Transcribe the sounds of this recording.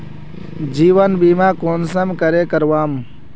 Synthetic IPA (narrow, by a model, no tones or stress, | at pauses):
d͡ʒiːʋənbiːmãːkoːnsɐmkɐɾekəɾʋaːm